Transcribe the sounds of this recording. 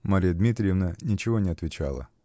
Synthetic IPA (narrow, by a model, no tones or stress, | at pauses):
maɾʲijəd̪mʲit̪ɾʲɪjɪvnənʲɪt͡ɕɪvonʲɪɐt̪vʲɪt͡ɕa̰lˠə̰